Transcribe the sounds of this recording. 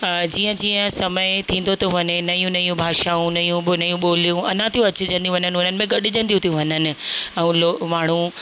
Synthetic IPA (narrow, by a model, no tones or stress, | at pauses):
d͡ʑiːə̃d͡ʑiːə̃sɐməɪt̪ʰĩːn̆d̪ot̪ʰoʋɐnɪnɐjũnɐjũbʱaːʃaũnɐjũɓonɐjũɓoːlijũɐnãt̪ʰijũɐt͡ɕd͡ʑə̃nd̪ijũʋɐɲənɪʊn̤ənɪ̆mẽɡɐɗɪd͡ʑə̃nd̪iũt̪ʰijũʋɐɲnənɪ̆ɛ̃ũloːmaːɳ̤̃ũ